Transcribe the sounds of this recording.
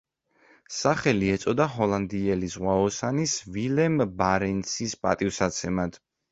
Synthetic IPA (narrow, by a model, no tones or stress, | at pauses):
saχɛliɛt̪sʼɔd̪aɦɔlˠand̪iɛlizʁwaɔsanisvilɛmbaɾɛnsispʼa̰t̪ʼivsat̪sʰɛmad̪̥